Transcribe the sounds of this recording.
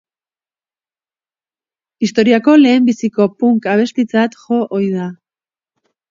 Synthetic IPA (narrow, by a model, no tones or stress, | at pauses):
ist̪o̞ɾiako̞le̞ːmbisiko̞puŋkaβ̞e̞st̪it͡sat̪ʝo̞ʔojða